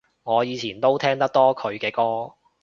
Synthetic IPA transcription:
ŋɔː˨˧jiː˨˧t͡sʰiː˨˩nt̪o˥wt̪ʰɛː˥ŋt̪ɐ˥k̚t̪ɔː˥kʰɵ˨˧ɥkɛː˧kɔː˥

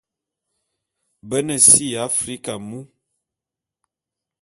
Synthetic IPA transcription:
bə˦nə˨si˦a˨˦fɾi˦ka˨mu˦

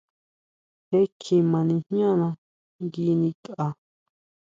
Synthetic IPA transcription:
he˦kʰi˧mã˨˧nĩ˧hɲ˦ã˦˨nã˧ | ŋɡi˧˦nĩ˧ka˧

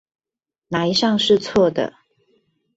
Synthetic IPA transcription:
na˨˦i˧˦ʂɑ˥˨ŋʂɻ̩˥˧t͡sʰwɔ˥˨d̪ə̰˩

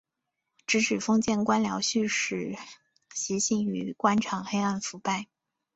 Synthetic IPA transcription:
ʈ͡ʂɻ̩˧˥ʈ͡ʂʰɻ̩˨˩fɤ˥ŋt͡ɕjɛ˥˩nkwa˥nljɑ˧˥ʊɕy˥˧ʂɻ̩˨˩ | ɕi˧˥ɕi˥˩ŋy˧˥kwa˥nʈ͡ʂʰɑ˨˩ŋxe˥ɪa˥˩nfu˧˥pa˥˩ɪ

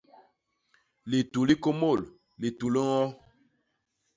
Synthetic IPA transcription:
li˨tu˨li˦ko˦mo˦˨l | li˨tu˨li˦ŋɔ˦

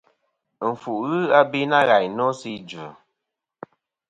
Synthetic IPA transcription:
ɱ̩˨fu˨ʔɣɨ˦a˦bi˦na˦ɣa˨jnɔ˦si˦d͡ʒʉ˨

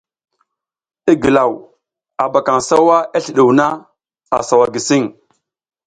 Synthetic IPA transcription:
i˦ɡi˨la˨w | a˨ba˨ka˨ŋsa˦wa˦a˦ɬi˨ɗu˨wna˦ | a˨sa˨wa˨ɡi˨si˦ŋ

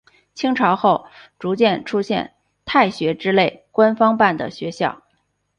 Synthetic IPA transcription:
t͡ɕʰi˥ŋʈ͡ʂʰɑ˧˥ʊxo˥˩ʊʈ͡ʂu˧˥t͡ɕjɛ˥˩nʈ͡ʂʰu˥ɕjɛ̰˥˧n | t̪ʰa˥˩ɪɕɥɛ˧˥ʈ͡ʂɻ̩˥le˥˩ɪkwa˥nfɑ˥ŋpa˥˩nd̪ə̰˩ɕɥɛ˧˥ɕjɑ˥˩ʊ

